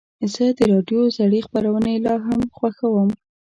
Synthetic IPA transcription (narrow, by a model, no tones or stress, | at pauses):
zəd̪əɾɑɖjozaɽexpaɾawənelɑɦamxwaxawəm